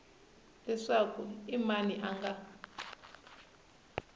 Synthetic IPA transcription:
lɛʂakʰuimaniʔaŋɡa

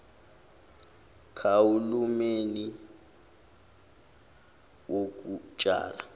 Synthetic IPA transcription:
kʰawulumeni | wʔok̬ʼut͡ʃʼa̰ːla

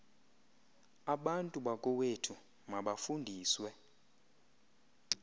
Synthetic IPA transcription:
aɓantʼuɓakʼɔwetʰu | maɓafundʱiːswɛ

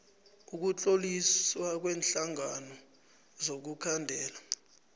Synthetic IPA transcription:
uk̬ut͡ɬʼoliswak̬wɛːnɬaŋanɔ | zok̬ukʰandʱɛːla

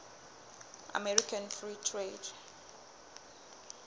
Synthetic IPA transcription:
a̰mɛɹikʰãnfɹitʰred

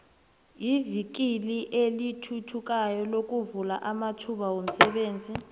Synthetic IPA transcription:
jivik̬iliʔelitʰutʰuk̬ʼajɔlok̬ʼuvula̰ʔamatʰuɓawom̩sɛɓeːnd͡zʱi

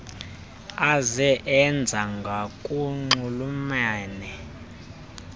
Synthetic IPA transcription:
azɛʔɛnd͡zʱaŋɡʱakʼuŋ͡ǃulumaːnɛ

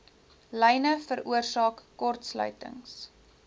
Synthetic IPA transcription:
lɛjnəfəɾuərsɑːkːɔrtslœ̰ɥtə̰ŋs

